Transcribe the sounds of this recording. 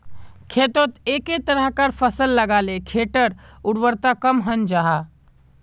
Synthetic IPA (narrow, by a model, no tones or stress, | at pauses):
kʰeːt̪ot̪eːket̪əɾəɦkəɾpʰəsəlːəɡaːlekʰeːʈəɾʊɽʋəɾt̪akəmɦənd͡ʒaɦa